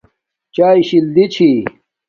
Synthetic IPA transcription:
t͡ɕaːiɕild̪it͡ɕʰi

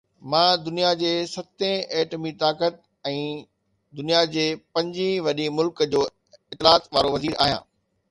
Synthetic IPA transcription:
mãːd̪ʊnijad͡ʑeːsɐt̪ẽeːʈəmit̪aːkət̪̚ | ɛ̃ː | d̪ʊnijad͡ʑeːpɐ̃ɲd͡ʑĩʋɐɗĩmʊlkd͡ʑoː | ɪt̪ɪlaːt̪ʋaːɾoʋɐziːɾʔaːɦijã̰ː

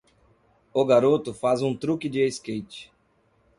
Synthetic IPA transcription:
ʊɡaɾot̪ʊfazũt̪ɾukɪd͡ʒɪeskejt͡ʃɪ̥

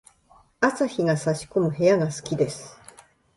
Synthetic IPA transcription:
asaçiɡasaɕi̥ko̞mɯ̟he̞jaɡasɨ̥kʲid̪e̞sɨ̥

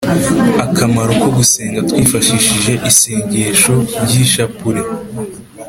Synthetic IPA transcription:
akamaɾoko̞ɡuse̞ːŋɡatwiːfaʃiʃiʒe̞ʔise̞ːɲɟe̞ːʃo̞ɾɟiʃapuɾe̞

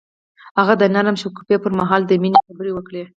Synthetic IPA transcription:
haɣad̪ənaɾəmʃʊku̥pepəɾmaɦɑld̪əminexabəɾewəkɽe

